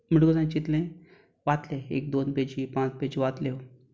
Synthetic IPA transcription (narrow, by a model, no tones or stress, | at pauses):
m̤əɽɡəd͡zãt͡ɕit̪lẽ | ʋat̪lẽḛk̚d̪onped͡ʑipãt͡sped͡ʑiʋat̪le